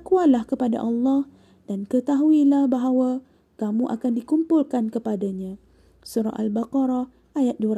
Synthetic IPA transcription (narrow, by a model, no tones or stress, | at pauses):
kualahkəpada̰ʔɑlːɑh | d̥ankət̪aɦuilahbaɦawa | kamũʔa̰kandikumpulkankəpadaɲã | suɾa̰ʔalbaqɑɾa | ʔajat̪̚duəɾ